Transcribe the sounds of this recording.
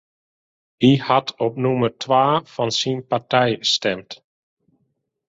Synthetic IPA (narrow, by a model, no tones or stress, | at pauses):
ihɑtʰɔpnumərtʰʋaːfɑnsinpartɛjstɛmt